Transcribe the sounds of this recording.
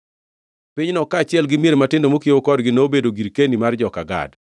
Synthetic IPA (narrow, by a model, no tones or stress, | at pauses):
piɲnɔkaːt͡ʃɪɛlɡɪmijeɾematɪndomokiwokɔdɡɪnɛobedoɡiɾkenimard͡ʒɔkaɡa̰d